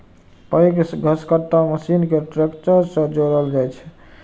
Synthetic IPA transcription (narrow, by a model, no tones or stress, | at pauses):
pəjksɡʱəskət̪aməsinkeʈɾekt͡ʃəɾsə̃d͡ʒoɾəld͡ʒajt͡ʃʰɛ̥